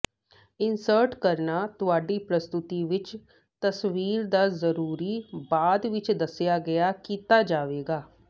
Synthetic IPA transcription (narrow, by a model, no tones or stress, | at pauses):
ɪnsəɾʈkəɾnaːt̪ʊaːɖiːpɾəst̪ʊt̪iʋɪt͡ʃ | t̪əsʋiːɾd̪aːzəɾuːɾiːbaːd̪ʋɪt͡ʃd̪əsjaːɡəjaːkiːt̪aːd͡ʒaːʋeːɡaː